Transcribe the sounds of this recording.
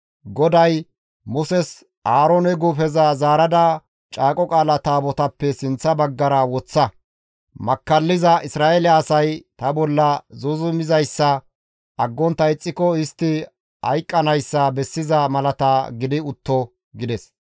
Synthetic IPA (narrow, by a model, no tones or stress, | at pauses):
ɡɔd̪ɐj | mʊsɛs | aːɾɔːnɛɡufɛzɐzaːɾɐd̪ɐ | t͡ʃʼaːkʼɔkʼaːlɐt̪aːbɔt̪ɐpːɛsɪnt͡sːɐbɐɡːɐɾɐwɔt͡sːɐ | mɐkːɐlːɪzɐʔɪsɾaːʔelɪɐːsɐjt̪ɐbɔlːɐzuzʊmɪzɐjsːɐ | ʔɐɡːɔnt̪ɐɪt͡sʼːɪkɔɪst̪ːɪ | hɐ̰jkʼːɐnɐjsːɐbɛsːɪzɐmɐlɐt̪aːɡɪd̪ɪʊt̪ːɔ | ɡɪd̪ɛs